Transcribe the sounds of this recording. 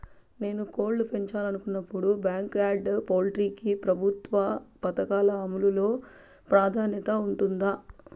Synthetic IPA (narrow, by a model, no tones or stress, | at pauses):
ne̞ːnuko̞ːlɖupe̞ɲt͡ʃaːlɐnukunːɐpːuɽubjaːŋkaːɖpoːlʈɾiːkipɾɐbʱut̪ʋɐpɐt̪ɐkaːlɐːmululo̞ː | pɾaːd̪ʱaːnjɐt̪ɐuɳʈund̪aː